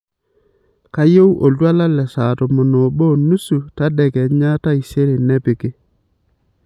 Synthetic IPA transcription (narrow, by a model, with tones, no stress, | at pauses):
ka˦jo˦wʔo˨lwa˦la˦lɛ˨sa˨tɔ˨mo˨no˨bo˦˨nu˦su˨ta˦dɛ˨kɛ˨ɲa˦ta˦i˨se˦ɾe˨nɛ˦pɪ˨kɪ˦